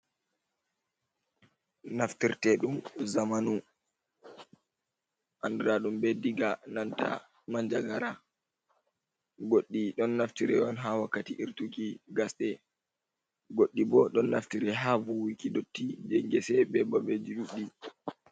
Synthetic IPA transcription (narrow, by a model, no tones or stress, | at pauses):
naftiɾtɛɗumzamanu | ʔandɛɾaɗumbɛdiɡananta̰ | maɲd͡ʒaɡaɾa | ɡoɗːiɗɔnːaftiɾɛ̰ɔnɦawakːatiʔiɾtukiɡasɗɛ | ɡoɗːibɔɗɔnːa̰ftiɾɛɦavuwikidotːid͡ʒɛŋɡɛsɛbɛbabed͡ʒiɗuɗːi